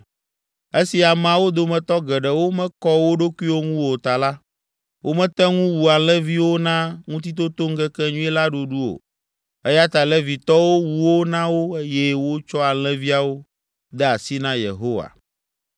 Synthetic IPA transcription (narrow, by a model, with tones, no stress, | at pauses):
e˦si˨a˨m˨ã˨wo˦d̪o˨mɛ̃˨t̪ɔ˦ɡɛ˨ɖɛ˨wo˦mɛ̃˦kɔ˦wo˦ɖo˦kʷi˦wo˦ŋũ˦wo˨t̪a˨la˦ | wʔo˦mɛ̃˦t̪ɛ˦ŋũ˦wu˨a˨l̃ɛ̃˦vi˦wo˦nã˦ŋũ˦t̪i˦t̪̬o˦t̪o˦ŋ̩˦kɛ˦kɛ˦ɲũ˦ɛ˦la˦ɖo˨ɖu˦o̰˨ | ɛ˦ja˦t̪a˨lɛ˦vi˨t̪ɔ˦wo˦wu˨wo˦nã˦wo˦e˦jɛ˦wo˦t͡ʃɔ˦a˨l̃ɛ̃˦vi˦a˨wo˦ | d̪ɛ˦a˨si˦nã˦jḛ˨ɦo˦wa̰˨